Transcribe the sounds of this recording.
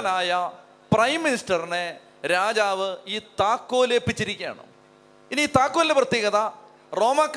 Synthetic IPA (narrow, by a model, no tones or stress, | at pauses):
naːjɐ | prɐjmːinisʈɐrine̞ | ɾaːd͡ʑaːʋɨiːt̪aːkːo̞ːleːpːit͡ɕːiɾikʲːa̰ːɳɨ̰ | iniiːt̪aːkːoːlːeprɐt̪jeːɣɐðɐ | ro̞ːmaːkː